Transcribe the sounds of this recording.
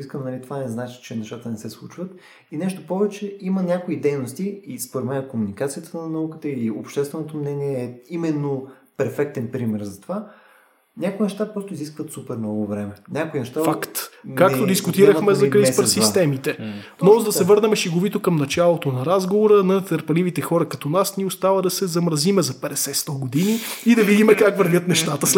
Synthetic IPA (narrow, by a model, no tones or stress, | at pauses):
iskəmnɐlit̪ovanɛznat͡ʃi̥t͡ʃɛnɛʃt̪at̪ənɛsɛslˠut͡ʃvət̪ | inɛʃt̪opɔvɛt͡ʃɛimənʲakoid̪ɛjnost̪iispoɾɛd̪mɛnkomunikat̪sijət̪ənɐnɐukət̪əiiopʃt̪ɛst̪vɛnot̪omnɛniɛːimɛnːopɛɾfɛk̚t̪ɛnpɾimɛɾzɐt̪ova | nʲakʊinɛʃt̪apɾɔst̪oʊiziskvət̪supɛɾnnɔɡovɾɛmɛnʲakʊinɛʃt̪afakt̪kakt̪od̪iskʊt̪iɾəxmɛzɐkɾispəɾsist̪ɛmit̪ɛ | nɔzd̪ɐsɛvɤɾnɐmɛʃiɡovit̪okɐmnɐt͡ʃalˠot̪onɐɾazɡovoɾənɐt̪əɾpɐlivit̪ɛxɔɾɐkɐt̪ɔnasniʊst̪avəd̪ɐsɛzɐmɾɐzimɛzɐpɛd̪ɛsɛst̪ɔɡod̪iniːd̪ɐvid̪imɛkakvəɾvʲɤət̪nɛʃt̪at̪əs